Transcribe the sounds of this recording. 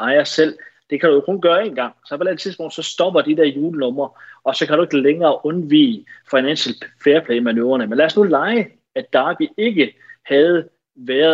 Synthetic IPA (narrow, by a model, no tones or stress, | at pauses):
ɑɪɐsel̰d̥e̝kʰæɾ̥ujokʰɔ̽nɡ̥ɶːɐe̝ːnɡ̥ɑ̈ŋ̰sɒ̽pʰɒ̽eæt͡sʰiðˠsb̥ɔ̽ŋ̰d̥sɒ̽sd̥ɒ̽b̥ɐd̥id̥eɐjuːlənɔ̽mɐʔɒ̽sɒ̽kʰæɾ̥ue̝ɡ̥əleŋɐːʔɔ̽nʋḭːfɑ̈ɪnænɕelfeːɐpʰlɛ̰ːmænøːɐnəmenlæɐsnulɑ̈ɪə | æ̥ɑ̈ːb̥ie̝ɡ̥ə | hæð̩ˠ | ʋæɐ